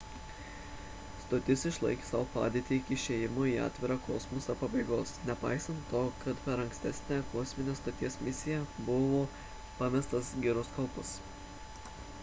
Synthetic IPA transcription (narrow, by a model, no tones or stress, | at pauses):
st̪ot̪ʲɪsɪʃlˠɐ̰ɪkʲe̥sɐʋopɑ̰ːd̪ʲeːt̪ʲɪɪkʲɪʃʲeːjɪmoiːɑ̰ːt̪ʲʋʲɪɾɑkoːsmosɐpɐbɐɪɡoːsnʲɛpɑ̰ˑɪsɐnt̪ːoːkɐt̪pʲɛɾɐ̃ŋksʲt̪ʲɛsʲnʲækoːsʲmʲɪnʲeːst̪oːt̪ʲiɛsmʲɪsʲɪjɛbʊʋoː | pɑmʲɛst̪ɐsɡʲɪɾʊskɐlˠpɐs